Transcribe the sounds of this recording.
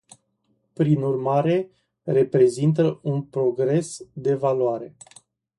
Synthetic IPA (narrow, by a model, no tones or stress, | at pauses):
pɾinurmaɾe̞ | re̞pɾe̞zint̪əunpɾo̞ɡɾe̞sd̪e̞valuaɾe̞